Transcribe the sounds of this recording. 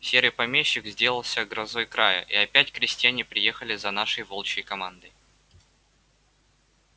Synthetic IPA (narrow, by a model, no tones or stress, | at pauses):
sʲeɾɨjpɐmʲeɕːɪkzʲdʲe̞lˠəlˠsʲəɡɾɐzo̞jkɾajə̰ʔiɐpʲætʲkɾʲɪsʲt̪ʲɪjænʲɪpɾʲɪje̞xəlʲɪzɐnaʂəjvolˠt͡ɕɪjkɐmand̪əj